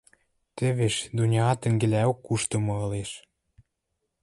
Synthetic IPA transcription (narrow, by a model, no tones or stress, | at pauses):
t̪ĕβeʃd̪unʲɑɑt̪ə̆ŋɡĕlæokːuʃt̪ɤ̆mɤ̆ɤ̆leʃ